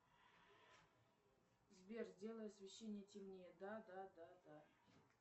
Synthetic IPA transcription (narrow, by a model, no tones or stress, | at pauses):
zbʲerzʲdʲe̞lˠəjəsvʲɪɕːenʲɪjətʲɪmʲnʲejəd̪ad̪ad̪ad̪a